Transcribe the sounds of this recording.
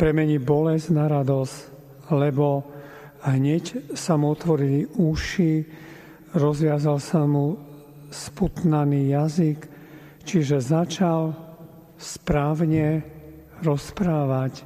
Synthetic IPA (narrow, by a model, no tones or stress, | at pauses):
pɾɛmɛɲibɔlɛznaɾad̪ɔs | lɛbɔ | ɦɲɛcsamuɔt̪ʋɔɾiliuʃi | ɾɔzʋɪazalsamu | sput̪naniːjazik | t͡ʃiʒɛzat͡ʃal | spɾaːʋɲɛ | ɾɔspɾaːʋac